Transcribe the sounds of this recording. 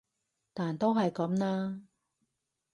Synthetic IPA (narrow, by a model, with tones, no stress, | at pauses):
t̪aː˨nt̪o˥wɦɐ˨jkɐ˨˥mnaː˥